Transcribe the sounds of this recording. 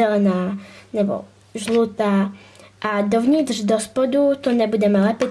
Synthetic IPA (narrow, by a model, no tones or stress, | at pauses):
ɛlɛnaːnɛbɔ̰ | ʒluːt̪aʔad̪ɔvɲiːt̪ʒd̪ɔspɔd̪ut̪ɔɲɛbudɛmɛlɛpɛ